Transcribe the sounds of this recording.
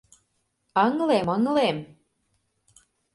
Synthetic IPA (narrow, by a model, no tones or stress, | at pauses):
əŋleməŋlem